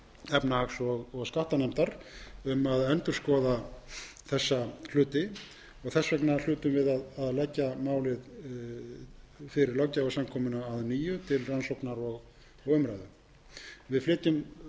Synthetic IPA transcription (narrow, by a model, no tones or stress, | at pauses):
ɛpnahaksɔɣɔɣskaht̪anɛmt̪aɾʏmaðɛnt̪ʏɾ̥skɔːða | θɛsːal̥ʏːt̪ɪ | ɔɣθɛsvɛknal̥ʏːt̪ʏmvɪðaðaðlɛcːamaːwlɪð | fɪɾɪɾlawcːaɔɣsamkʰɔːmɪnaːðniːjʏt̪ʰɪlransɔwknaɾɔɣ | ɔɣʏmɾajðʏ | vɪðflɪːt̪ʏm